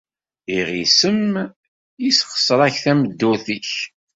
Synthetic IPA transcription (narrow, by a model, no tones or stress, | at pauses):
iʁisəm | isχə̥sˤəɾˤæçθæməd̪ːuθiç